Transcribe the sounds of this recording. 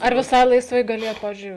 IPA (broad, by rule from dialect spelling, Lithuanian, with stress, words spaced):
ɐr ʋʲɪˈsɐɪ lˠɐɪsˈʋɐɪ ɡɐˈlʲeːjɛt ˈpɑːʋʲɪzʲd͡ʒʲʊɪ